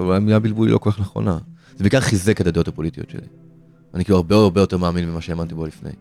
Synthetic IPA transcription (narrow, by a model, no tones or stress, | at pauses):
vamiabilbulḭlokokaχneχo̞̰na | zebeikaʁχizekad̪ad̪o̞t̪apo̞lit̪iot̪ʃḛlḭ | anikiluaʁbeodaʁbejotemaːminmimaʃeːmant̪ibo̞lifnḛj